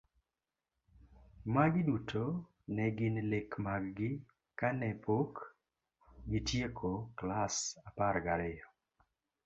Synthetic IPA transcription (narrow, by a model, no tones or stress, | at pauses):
maɡɪdutʰo | nɛɡɪnlekmaɡɡɪ | kanɛpʰok | ɡɪtjekʰoklasaparɡaɾɪjɔ